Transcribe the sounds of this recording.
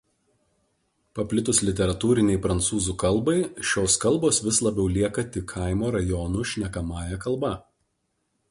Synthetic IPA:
pɐpʲlʲɪt̪ʊslʲɪt̪ʲɛɾɐt̪uːɾʲɪnʲɛɪpɾɐnt̪suːzuːkɐlˠˑbɐɪʃʲoːskɐlˠboːsʋʲɪslˠɐbʲɛʊlʲiɛkɐt̪ʲɪkʰɑˑɪmoːɾɐjɔːnuːʃʲnʲɛkɐmɑːjɛkɐlˠˑbɐ

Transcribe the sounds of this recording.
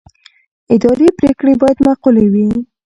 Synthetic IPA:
ɪd̪ɑɾepɾekɽebɑjad̪maqulawi

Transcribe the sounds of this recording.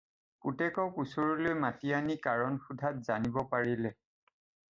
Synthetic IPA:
kutɛkɔkusoɹilojmatianikaɹɔnxudʱat̚zanibɔpaɹilɛ

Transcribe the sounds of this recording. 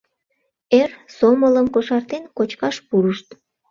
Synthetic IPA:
ersomələmkoʃɑrt̪enkot͡ɕkɑʃpuɾəʃt̪

